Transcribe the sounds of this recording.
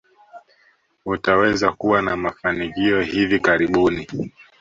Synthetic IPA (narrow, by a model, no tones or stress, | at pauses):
utawɛzakuwanamafanikiɔhivikaɾiɓuni